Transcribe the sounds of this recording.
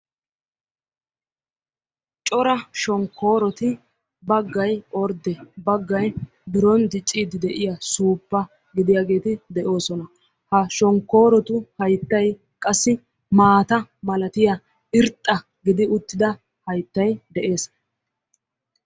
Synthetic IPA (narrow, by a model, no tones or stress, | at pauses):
t͡ʃʼɔɾɐʃɔŋkʰːo̞ːɾɔt̪ɪ | bɐɡːɐjʔɔɾd̪ɛbɐɡːɐj | bɪɾɔnd̪ɪt͡ʃʼːiːd̪ɪd̪ɛʔɪjasuːpːɐ | ɡɪd̪ɪjaːɡe̞ːt̪ɪd̪ɛʔo̞ːsɔnɐ | hɐʃɔŋkːo̞ːɾɔt̪ʊhɐjt̪ːɐj | kʼɐsːɪ | maːt̪ɐmɐlɐt̪ɪja | ɪɾt̪ʼːɐ | ɡɪd̪ɪʊt̪ːɪd̪ɐ | hɐjt̪ːɐjd̪ɛʔe̞ːs